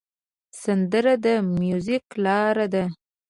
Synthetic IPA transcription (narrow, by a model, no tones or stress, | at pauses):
sand̪əɾad̪əmjuziklɑɾad̪a